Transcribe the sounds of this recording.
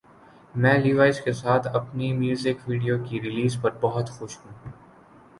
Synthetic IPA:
mɛ̃ːliːʋaːɪd͡ʒkesaːt̪ʰɐpnimjuːzɪkʋiːɖijokiɾɪliːzpɐɾbɐɦʊt̪xʊʃɦũː

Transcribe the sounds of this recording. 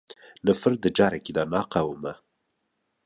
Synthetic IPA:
nəfəɾd̪əd͡ʒɑːɾakid̪ɑnɑːqawuma

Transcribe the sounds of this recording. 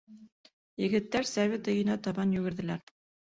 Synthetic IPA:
jɘ̆ɡɘ̆t̪ːæɾsæβʲet̪ɤ̆jɤ̆næt̪ɑβɑnjʉɡɘ̆ɾðɘ̆læɾ

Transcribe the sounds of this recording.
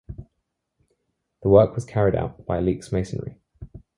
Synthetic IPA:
ðəwɜˑkʰwɒz̥kʰaɹɪda̰ʊʔb̥aɪliˑksmeɪsə̃nɹḭ

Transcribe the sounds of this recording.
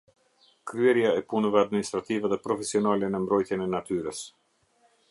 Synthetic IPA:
kɾyɛɾjaɛpunəvɛad̪minist̪ɾat̪ivɛðɛpɾɔfɛsiɔnalɛnəmbɾɔjt̪jɛnɛnat̪yɾəs

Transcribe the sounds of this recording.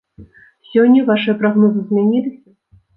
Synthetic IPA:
sʲɔnʲːɐvaʂɨjɐpɾaɣnɔzɨzʲmʲanʲilʲɐsʲɐ

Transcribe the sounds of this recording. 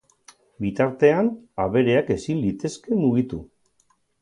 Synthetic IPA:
bit̪aɾt̪e̞anaβe̞ɾe̞ake̞sinlit̪e̞ske̞muɣ̞it̪ṵ

